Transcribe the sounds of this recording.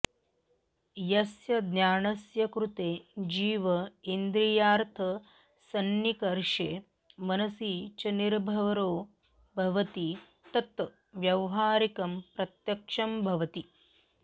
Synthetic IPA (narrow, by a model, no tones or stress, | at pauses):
jɐsjɐd̪njaːɳɐsjɐkɾut̪eːd͡ʒiːʋɐind̪ɾijaːɾt̪ʰɐ | sɐnjikɐɾʃeː | mɐnɐsiːt͡ʃɐniɾbʱɐʋɐɾoː | bʱɐʋɐt̪i | t̪ɐt̪ | ʋjɐʋɦaːɾikɐmpɾɐt̪jɐkʂɐmbʱɐʋɐt̪i